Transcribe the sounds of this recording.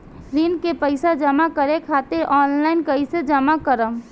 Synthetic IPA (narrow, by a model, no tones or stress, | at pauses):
ɾiːnkepəɪsad͡ʒəmakəɾekʰaːt̪eɾʔɔːnlaɪnkəised͡ʒəmakəɾəm